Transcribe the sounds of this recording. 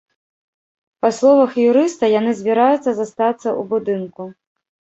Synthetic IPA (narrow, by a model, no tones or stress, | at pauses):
paslˠɔvɐxjuɾɨst̪ɐjanɨzʲbʲiɾajut̪sːɐzast̪at̪sːɐʔubud̪ɨnku